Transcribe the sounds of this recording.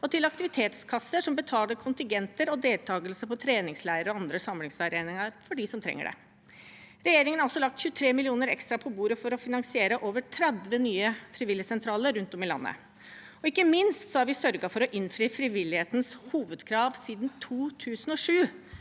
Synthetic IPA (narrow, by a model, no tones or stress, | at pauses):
ɔt̪ʰɪlɑk̚t̪ɪʋɪt̪ʰeːt̪skʰɑsːəʂɔmbət̪ʰɑːləkʰʊnt̪ɪŋɡɛnt̪əɾɔd̪eːlt̪ʰɑːɡəlsəpʰɔt̪ʰɾeːnɪŋslæɪəɾɔɑnd̪ɾəsɑmlɪŋsɑɾeːnɪŋɑɾfɔɖɪsɔmt̪ʰɾɛ̰ŋːə̰ɖɛ̰ | ɾɛjeːɾɪŋənɑɾɔsːɔlɑk̚t̪çʉːt̪ʰɾeːmɪlɪuːnəɾɛ̰kst̪ɾɑpʰɔbuːɾəfɔɾɔfɪnɑŋsɪeːɾəʔoːʋəʈʰɾɛd̪ʋənyːəfɾɪʋɪljəsɛnt̪ʰɾɑːləɾɾʉnt̪ɔmɪlɑ̰nːə̰ | ɔɪkːəmɪnst̪sɔhæɾʋɪsœɾɡɑfɔɾɔʔɪnfɾiːfɾɪʋɪlɪheːt̪n̩shuːʋəd̪kʰɾɑːʋsiːd̪nt̪ʰuːt̪ʰʉːsən̩ɔʂʉː